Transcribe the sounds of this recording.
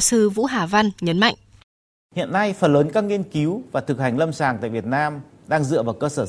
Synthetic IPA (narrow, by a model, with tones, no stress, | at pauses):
sɨ˧vṵ˧˥ɦaː˨˩va˧nɲə˨˦nma̰˧˨jŋʔ | hḭ˧˨ənːa˧jfə˨˩nləː˨˦nkaː˨˦˥k̚ŋi˧ənki˨˦wvaː˨˩t̪ʰɨ˨˩k̚ha˨˩jŋ̟lə˧msaː˨˩ŋt̪a̰ː˧˨jvi˨˩ət̚naː˧m | ɗaː˧ŋzɨ̰˧˨əvaː˨˩wkəː˧səː˧˩